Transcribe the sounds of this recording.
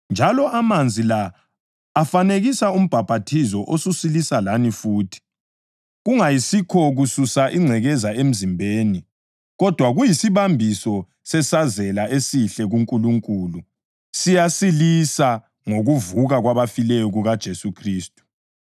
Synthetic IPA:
nd͡ʒʱalɔʔamand͡zʱilaː | faneɣisaum̩b̥ʱab̥ʱatʰizɔʔosusilisalanifuːtʰi̥ | ɣuŋajisikʰɔɣususaʔiŋ͡ǀʱɛɣɛzaem̩zimbʱeːni | ɣɔd̥ʱwaɣujisiβambʱisɔ | sɛsazɛlaesiɬɛɣuŋkʼuluŋkʼuːlu | sijasilisa | ŋoɣuvuɣaɣwaβafilɛjɔɣuɣad̥ʒ̥ʱesukʰriːstʼu̥

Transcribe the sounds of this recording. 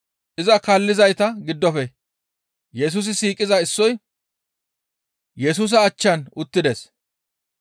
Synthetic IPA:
ʔɪzɐkɐlːɪzɐjt̪ɐɡɪd̪ːɔfɛ | jɛs̬uːs̬ɪsiːkʼɪzɐɪsːɔj | jɛs̬uːs̬ɐːt͡ʃːɐnʊt̪ːɪd̪ɛs

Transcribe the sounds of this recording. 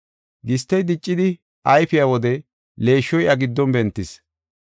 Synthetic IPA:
ɡɪst̪ːɛjd̪ɪt͡ʃʼːɪd̪ɪ | ʔɐjfɪjawɔd̪ɛ | le̞ːʃːɔjʔɐɡɪd̪ːɔnbɛnt̪ːɪs

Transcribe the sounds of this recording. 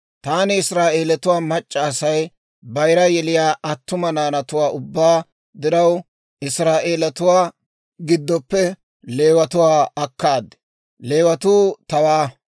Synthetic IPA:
t̪aːnɪɪsɾaːʔe̞ːlɐt̪ʊwaːmɐt͡ʃʼːɐːsɐj | bɐjɾɐjɛlɪjaːʔɐt̪ːʊmɐnaːnɐt̪ʊwaːʊbːaː | d̪ɪɾɐw | ʔɪsɾaːʔe̞ːlɐt̪ʊwaː | ɡɪd̪ːɔpːɛ | leːwɐt̪ʊwaːɐkːaːd̪ɛ | le̞ːwɐt̪uːt̪ɐwaː

